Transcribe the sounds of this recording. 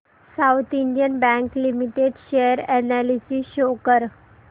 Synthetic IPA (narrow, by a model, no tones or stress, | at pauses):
sawt̪ʰiɳɖjənbæ̃ŋklimiʈeɖɕejəɾɛnalisisɕokəɾ